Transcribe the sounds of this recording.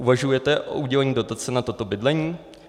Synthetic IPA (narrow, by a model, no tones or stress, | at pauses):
ʔuvaʒujɛt̪ɛʔo̞̰ʔuɟɛlɛɲiːdo̞t̪at͡sɛnat̪o̞t̪o̞bɪdlɛɲiː